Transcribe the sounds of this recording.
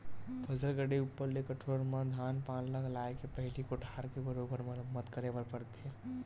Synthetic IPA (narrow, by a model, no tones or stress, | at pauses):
pʰəzəɾɡəɽiupːəɾlekəʈʰoɾməd̪ʱaːnpaːnləklaekepəɦɪlikoʈʰaːɾkebəɾobəɾməmət̪kəɾebəɾpəɾt̪iɦɛ